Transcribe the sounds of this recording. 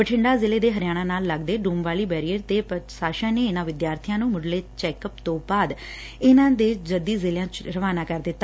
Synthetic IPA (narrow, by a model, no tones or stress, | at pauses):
pəʈʰɪɳɖaːzɪleːd̪eːɦəɾɪjaːnãːnaːlːəɡd̪eːɖuːmʋaːliːbɛːɾiːəɾt̪eːpəsaːʃãːneːɪnãːʋɪd̪jaːɾt̪ʰijãːnũːmʊɖleːt͡ʃɛːkəpt̪õːbaːd̪ | ɪnãːd̪eːd͡ʒəd̪iːzeːljãːt͡ʃɾəʋaːnaːkəɾd̪ɪt̪ːa